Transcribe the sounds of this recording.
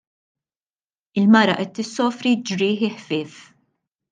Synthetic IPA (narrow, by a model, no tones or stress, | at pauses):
ɪlmɐɾɐʔɛt̪ːɪsːɔːfɾid͡ʒɾɪːħɪħfɪːf